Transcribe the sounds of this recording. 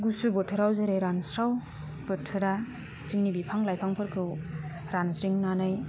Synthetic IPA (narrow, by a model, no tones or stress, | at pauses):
ɡusubɯtʰɯɾawzɯɾɯjɾansɾaw | b̥ɯtʰɯɾa | t͡ʃiŋnibipʰaŋlajpʰaŋpʰɯɾkʰɯw | ɾansɾiŋnanaj